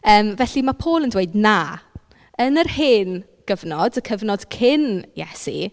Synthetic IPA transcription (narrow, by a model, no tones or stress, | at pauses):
əːmvɛɬimapʰoːlˠəndweɨdna | ənərhɪn | ɡ̥əvnɔdəkʰəvnɔd̥kʰɪnjɛ̰sḭ